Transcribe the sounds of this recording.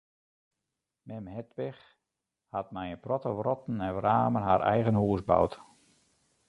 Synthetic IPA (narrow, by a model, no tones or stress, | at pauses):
mɛmhɛtʋɪx | hat̚mɛjənprɔtəʋrɔtn̩ɛnʋraːmənɦaːɾɛ̰jɣənhuəsba̰wt